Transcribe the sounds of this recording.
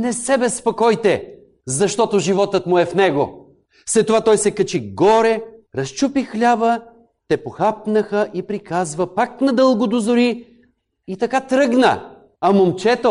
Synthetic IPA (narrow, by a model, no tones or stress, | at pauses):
nɛsɛbɛspokɔjt̪ɛ | zɐʃt̪ɔt̪oʒivɔt̪ət̪mʊɛfnɛɡo | fslɛt̪ːovat̪ɔjsɛkət͡ʃiɡɔɾɛɾɐst͡ʃupixlʲabə | t̪ɛpoxap̚nəxəʔipɾikazvɐpaknɐd̪ɤlˠɡod̪ozoɾi | it̪ɐkat̪ɾɤɡnə̰ | ɐmomt͡ʃɛt̪o